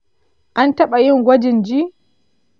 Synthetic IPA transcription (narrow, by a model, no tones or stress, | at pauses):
ʔantaɓajiŋɡʷad͡ʒind͡ʒi